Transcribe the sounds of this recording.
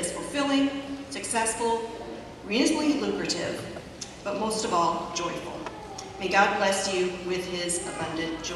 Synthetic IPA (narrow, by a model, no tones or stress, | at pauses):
ɨz̥fl̩ˠfɪlˠɪ̃ŋsɨksɛsfl̩ˠ | ɹiblidlʉkɹɨɾɪ̰v̥ | b̥ʌt̚moʊstʌvɔlˠd͡ʒɔɪfl̩ˠ | meɪɡɑd̚blɛsjʉwɪð̥ɪzəbʌ̃ndɨ̃n̥ʒ